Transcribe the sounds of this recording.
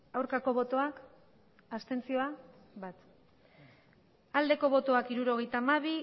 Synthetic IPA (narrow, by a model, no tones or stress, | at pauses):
awɾkako̞βo̞t̪o̞ak | ast̪e̞nt͡sio̞a | bat̪ | ald̪e̞ko̞β̞o̞t̪o̞akiɾuɾo̞ɣe̞jt̪aːmaβ̞i